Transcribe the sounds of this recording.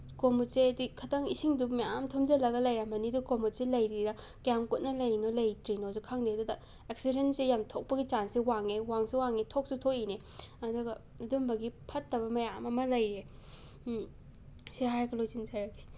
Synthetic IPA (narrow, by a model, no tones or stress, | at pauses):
komutseɐdikʰɐtaŋisiŋdumajamtʰomd͡ʒɐlɐɡɐlɐjɾamɐnidukomutselɐjɾiɾɐ | kjamkut̚nɐlɐjnolɐjtɾinosukʰaŋdedudɐ | eksidensejamtʰok̚pɐɡit͡ʃansiwaŋewaŋsuwaŋetʰok̚sutʰoʔine | ɐduɡɐ | ɐdumbɐɡipʰɐtːɐbɐmɐjamɐmɐlɐjɾe | siɦajɾɐɡɐlojsiŋzɐɾɐɡe